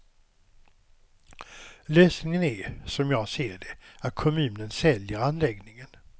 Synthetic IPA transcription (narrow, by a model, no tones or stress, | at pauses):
løːsnɪŋənæɾsɔmjɑːɡseːɖɛat̪̚kʰɔmʉ̟ːnənsɛljəɾanlɛɡnɪŋən